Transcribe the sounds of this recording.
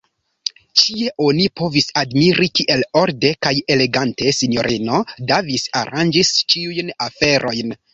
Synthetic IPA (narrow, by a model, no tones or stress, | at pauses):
t͡ʃie̞ʔo̞nipo̞visadmiɾikiʔe̞lo̞ɾde̞kajele̞ɡante̞sinjo̞̰ɾʔino̞davisa̰ɾand͡ʒist͡ʃiujnafe̞ɾʔo̞jn